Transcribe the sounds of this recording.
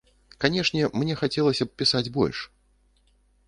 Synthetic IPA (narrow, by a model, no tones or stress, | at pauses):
kanʲɛʂnʲɛmnʲɛxat͡sʲɛlˠɐsʲɐpʲisad͡zʲbɔ̰lʲʂ